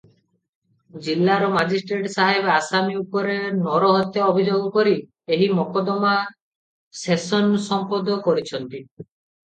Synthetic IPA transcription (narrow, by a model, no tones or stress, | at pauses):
d͡ʒilːaɾɔmad͡ʒisʈɾeʈsaɦebasaniupɔɾenɔɾɔɦɔt̪ʰaobʱid͡ʒoɡɔkɔɾi | eɦimɔkɔd̪ɔma | sesɔnsɔmpɔd̪ɔkɔɾit͡ʃʰɔnt̪i